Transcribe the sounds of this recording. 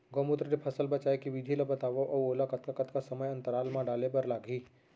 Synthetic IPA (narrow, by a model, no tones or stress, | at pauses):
ɡomut̪ɾəɾipʰɐsəlbɐt͡ʃaːekiʋɪd̪ʱilɐbɐt̪aːʋoʔɔoːlakɐt̪kakɐt̪kasɐməjɐ̃nt̪əɾaːlmãɖaːlebɐɾlaːɡʱiː